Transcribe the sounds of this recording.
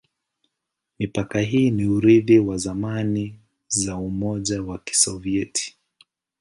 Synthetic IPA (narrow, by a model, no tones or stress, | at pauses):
mipakaɦiːniuɾiðiwazamani | zaumɔʄawaki̥sɔviɛtʰi̥